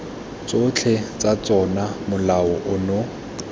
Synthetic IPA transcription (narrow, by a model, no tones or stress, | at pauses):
t͡sʼot͡ɬʰet͡sʼat͡sʼɔnamʊlaʊʔʊnʊ